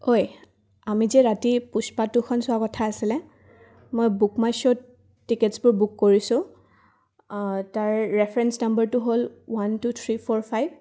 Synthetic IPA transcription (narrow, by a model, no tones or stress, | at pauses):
hoj | amizɛɹatipuspatʊkʰɔnsʊakɔtʰaːsilɛ | mojbukmajsɔtː | iketsbʊɹbukːoɹisʊ̃ | taɹːɛpʰɹɛnsnambəɹtʊɦolwantut̪ʰɹipʰɔɹpʰajb̚